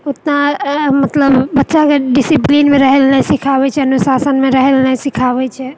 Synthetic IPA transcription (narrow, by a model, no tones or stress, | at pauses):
ʊt̪namət̪ləbbətːʃakeɖisiplinmẽɾəɦɛlnɛsikʰabɛt͡ʃʰɛənusasənmẽɾəɦelnasikʰabɛt͡ʃʰɛ